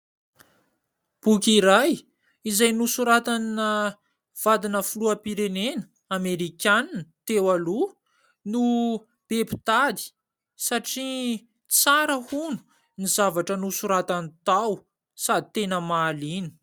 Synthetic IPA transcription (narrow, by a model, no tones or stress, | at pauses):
b̥ukʲiɾaj | izajnusuɾat̪annə | v̥ad̪inəfuluəpiɾenenə | ameɾikʲannt̪ewalu | nu | b̥epi̥t̪ad̪i̥ | saʈ͡ʂi | t͡saɾəhunu̥ | nizavaʈ͡ʂənusuɾat̪anit̪aw | sad̪it̪enəmaːlini̥